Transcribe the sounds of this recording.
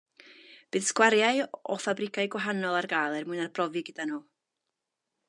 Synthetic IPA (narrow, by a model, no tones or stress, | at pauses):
b̥ɨːðskwaɾjaɨɔfabrɪkʰajɡwaɦanɔlˠarɡaːjlˠɛrmuɨnarbʰrɔvɨɡəd̥anuː